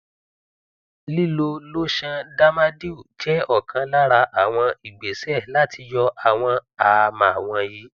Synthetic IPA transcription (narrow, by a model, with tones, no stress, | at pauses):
li˦lo˧lo˦ʃã˧da˦ma˦di˦u˦˨d͡ʒɛ˦ɔ˦˨kʰã˧la˦ɾa˧ʔa˨w̃ɔ̃˧i˨ɡ͡be˨sɛ˦˨la˦ti˧jɔ˧ʔa˨w̃ɔ̃˧a˨˧mã˨w̃ɔ̃˧ji˨˦